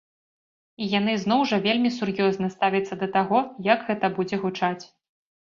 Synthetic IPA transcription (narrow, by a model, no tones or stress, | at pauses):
ijan̪ɨznɔwʐɐvʲelʲmʲisurjɔznɐst̪avʲɐt̪sːɐd̪ɐt̪aɣɔjɐɡɣɛt̪ɐbud͡zʲɛɣut͡ʂat͡sʲ